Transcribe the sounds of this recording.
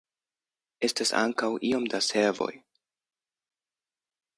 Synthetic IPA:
e̞stasa̰ŋkawʔio̞mdaseɾvo̞̰j

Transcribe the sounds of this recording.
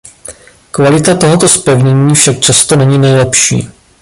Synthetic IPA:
kvalɪt̪at̪o̞ɦo̞t̪o̞spɛvɲɛɲiːfʃak̚t͡ʃast̪o̞nɛɲɪnɛjlɛpʃḭː

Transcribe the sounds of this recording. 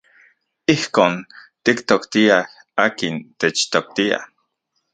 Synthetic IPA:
ihkoːnt̪ikt̪okt̪iah | aːkint̪et͡ʃt̪ok̚t̪ia̰

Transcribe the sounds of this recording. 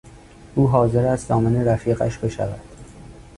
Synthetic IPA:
ʔuːɦɒːze̞ɾæst̪zɒːmeneɾæfiːɢæ̰ʃbe̞ʃæ̰væ̰d̪̥

